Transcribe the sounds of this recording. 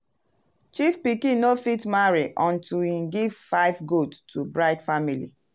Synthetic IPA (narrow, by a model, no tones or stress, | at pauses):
t͡ʃifpikĩnofitmaɹiʔɔ̃ntuĩnɡiv̥faɪvɡodtʰubɹaɪdfamilḭ